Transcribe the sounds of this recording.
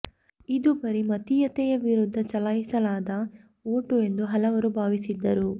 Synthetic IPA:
id̪ubɐɾimɐt̪ijɐt̪ɛjɐʋiɾud̪ʱːɐt͡ʃɐlɐjisɐlaːd̪ɐ | oːʈue̞nd̪uɦɐlɐʋɐɾubʱaːʋisid̪ːɐɾu

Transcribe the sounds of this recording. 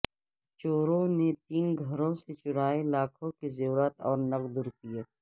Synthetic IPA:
t͡ʃoːɾõnet̪iːnɡʱɐɾõset͡ʃʊɾaːelaːkʰõkezoːɾət̪ɔːɾnɐqd̪ʊɾkijeː

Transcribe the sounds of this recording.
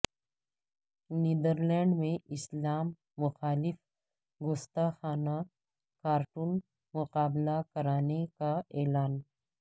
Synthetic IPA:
niːd̪əɾlɛ̃ːɳɖmẽʔɪslaːmː | ʊxaːlɪf | ɡʊst̪axaːna | kaːɾʈuːn | mʊqaːblakɐɾaːnekaɛːlaːn

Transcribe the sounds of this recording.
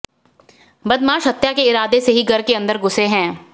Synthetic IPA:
bɐd̪mãːʃɦɐt̪ːjakeɪɾaːd̪eseɦiɡɐɾkeɐ̃nd̪əɾɡʊseɦɛ̃ː

